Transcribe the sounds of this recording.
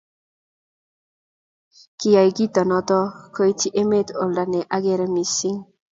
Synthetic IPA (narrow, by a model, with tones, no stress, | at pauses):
ki˨ja˨jɡi˦t̪ɔ˨nɔ˦t̪ɔ˦ko˦i˦ti˦ʔe˦me˦t̪o˨lda˨nɛ˨ʔa˦ɡɛ˦ɾɛ˦mi˨si˦ŋ